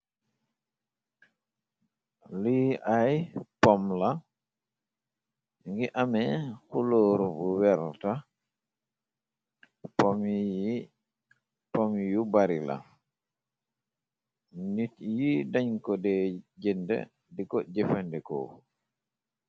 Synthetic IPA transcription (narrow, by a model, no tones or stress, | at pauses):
liʔajpɔmla | ŋɡiʔamɛhuloːɾubuwɛɾta | pɔm | pɔmjubaɾila̰ | nitjidaɲkɔdɛd͡ʒɛndɛ̰ | dikɔd͡ʒɛfandɛkɔ̰